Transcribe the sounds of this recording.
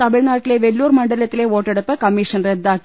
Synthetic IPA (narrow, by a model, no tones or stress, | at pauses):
ɐmɪɻnaːʈːɪleːʋɛlːuːɾmɐɳɖɐlɐt̪ːɪleːoːʈːɛɽɐpːɐkɐmiːʂɐnrɛd̪ːaːk